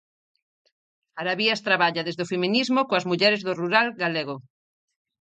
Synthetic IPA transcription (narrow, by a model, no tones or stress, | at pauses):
aɾaβiast̪ɾaβaʎaðezðofeminizmokoazmuʎɛɾezðoruɾalɡaleɣo